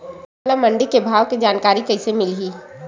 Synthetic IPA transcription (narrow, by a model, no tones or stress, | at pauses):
lamɐ̃ɳɖikebʱaːʋkid͡ʒaːnkaːɾikɐɪsemɪlɦiː